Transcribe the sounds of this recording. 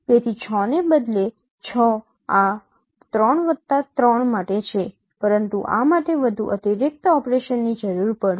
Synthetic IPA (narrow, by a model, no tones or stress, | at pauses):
bet̪ʰit͡ʃʰɔnebəd̪le | t͡ʃʰɔ | a | t̪ɾəɳʋət̪ːat̪ɾəɳmaʈet͡ʃʰe | pəɾənt̪ṵʔa̰maʈeʋəd̪ʱṵʔət̪iɾɪk̚t̪ɔpɾeʃənːid͡ʒəɾuɾpəɽ